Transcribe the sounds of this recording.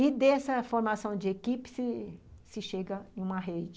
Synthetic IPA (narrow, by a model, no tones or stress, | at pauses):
ɪd̪ɛsɐfoɾmasɐ̃w̃d͡ʒɪekipɪ̥sɪsɪʃeɡɐẽũmɐɦed͡ʒɪ